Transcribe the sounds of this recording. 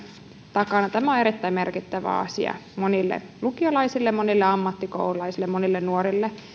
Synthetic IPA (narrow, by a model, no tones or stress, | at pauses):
t̪ɑkɑnɑt̪æmæoneɾit̪ːæimerkit̪ːæʋæ̰ɑ̰sḭɑ̰monilːḛlukiolɑisilːemonilːeɑmːɑt̪ːikoululɑisilːemonilːennuoɾilːe